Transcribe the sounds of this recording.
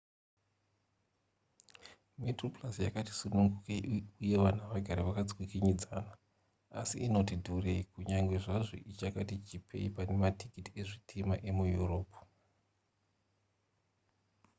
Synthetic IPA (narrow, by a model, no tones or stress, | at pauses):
metroplasjakati̥sunuŋɡukeuje̞ʋan̤aʋaɡʱaɾiʋakad͡zwikiɲid͡zana̰ː | siino̞tidʱureikuɲaŋɡwe̞ʐaʐo̰ʔit͡ʃakatit͡ʃipʰḛipane̞matikitieʐitʰimaʔe̞mujuro̞ːpu̥